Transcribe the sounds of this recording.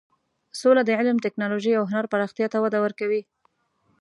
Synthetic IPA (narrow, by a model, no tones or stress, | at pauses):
solad̪əʕɪlmt̪ɪknɑloʒijawɦʊnaɾpaɾɑxt̪ijɑt̪awad̪awəɾkawi